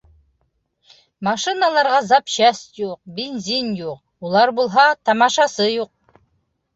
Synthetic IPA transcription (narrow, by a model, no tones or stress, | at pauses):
mɑʃinalˠɑɾʁɑzɑpɕæst̪juq̚bʲenzʲinjuq | ulˠɑɾbulˠɦɑt̪ɑmɑʃɑsɤjuq̚